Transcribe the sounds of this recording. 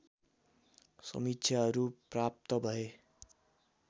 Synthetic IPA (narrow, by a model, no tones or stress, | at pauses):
sʌ̰mit̪ːsʰjaɦʌɾuprap̚t̪ʌbʱʌe